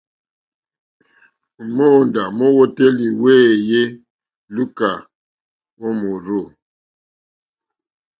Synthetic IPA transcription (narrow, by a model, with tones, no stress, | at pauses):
u˨mo˦˨nda˨mo˦wo˦te˦li˨we˦˨je˦ | lu˦ka˨ | wo˦mu˨ɾo˦˨